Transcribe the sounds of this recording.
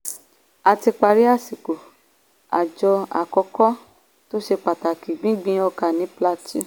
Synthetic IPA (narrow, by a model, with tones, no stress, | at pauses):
a˨ti˧k͡pa˧ɾi˦a˦˨si˨ko˨ | a̰˨d͡ʒɔ˧a̰˨kɔ˧kɔ˦ | to˦ʃe˧k͡pa˨ta˨ki˨ɡ͡bĩ˦ɡ͡bĩ˧˦ɔ˧ka˨nĩ˨˦pla˧ti˦